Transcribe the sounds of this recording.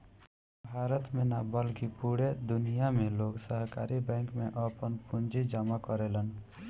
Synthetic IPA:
bʱaːɾət̪menabəlkipuːɽed̪ʊnijamẽloɡsəɦka̰ɾibɛ̃ŋkmeʔəpənpʊnd͡ʒid͡ʒəmakəɾelən

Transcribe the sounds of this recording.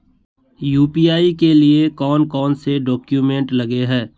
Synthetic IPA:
juːpijaːikeliekɔːnkɔːnseɖɔːkjumẽɳʈlɐɡeɦɛː

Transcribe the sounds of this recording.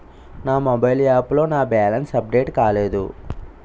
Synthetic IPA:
naːmɔbɐjlaːplo̞ːnaːbaːlɐnsɐp̚ɖeːʈkaːleːd̪ṵ

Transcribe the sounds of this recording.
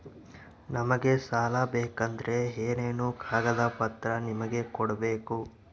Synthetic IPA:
nɐmɐɡe̞saːlabeːkɐnd̪ɐɾe̞ɦeːneːnukʰaːɡɐd̪ɐpɐt̪ɾɐnimɐɡe̞kɔɽɐbeːku

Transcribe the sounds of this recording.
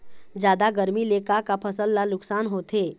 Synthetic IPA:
d͡ʒjaːd̪aɡəɾmileːkakapʰəsəlːalʊksaːnɦoːt̪ʰɦeː

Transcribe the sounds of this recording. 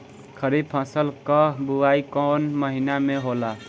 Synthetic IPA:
kʰəɾib̚pʰãːsəlkəbʊaːikɔːnməɦɪnamẽɦolaː

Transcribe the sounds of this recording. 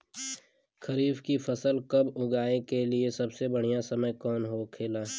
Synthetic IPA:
kʰɐɾiːbkifʰəsəlkɐbʊɡaːekeliesɐbsebəɽ̤ijasəməjkɔːnɦokʰeːlaː

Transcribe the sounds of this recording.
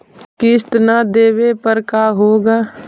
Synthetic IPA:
kɪst̪nad̪eːwepəɾkaːɦoːɡaː

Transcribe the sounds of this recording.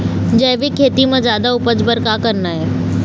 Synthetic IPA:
d͡ʑɐɦʋikʰeːt̪imɐ̃zjaːd̪aʊpəd͡ʒbəɾkakəɾnaɦe

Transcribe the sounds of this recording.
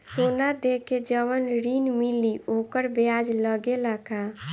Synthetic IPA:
sonad̪eked͡ʒəʋənɾinmiliokəɾbead͡ʒləɡelaka

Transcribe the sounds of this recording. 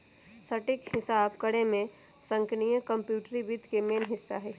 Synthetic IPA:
səʈɪkhɪsaːb̚kəɽemẽ | sə̃ŋknijə̃kəmpjuːʈɾibid̪kemeːnɦɪsːaɦɛː

